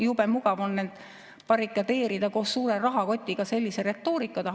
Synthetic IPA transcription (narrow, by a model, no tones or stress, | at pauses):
jube̞muɡ̥ɑvo̞nːed̪̥ | pɑrikːˑɑt̪e̞ːɾid̪̥ɑko̞ːsːuːɾerɑɦɑko̞t̪ʲːiɡ̥ɑse̞lʲːise̞ɾe̞t̪ːo̞ːɾikːˑɑt̪ɑ